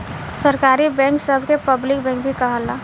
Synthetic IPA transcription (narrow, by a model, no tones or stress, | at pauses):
səɾkaːɾibɛ̃ːŋksəbʱkepəblɪk̚bɛ̃ːŋk̚bʱikəɦəla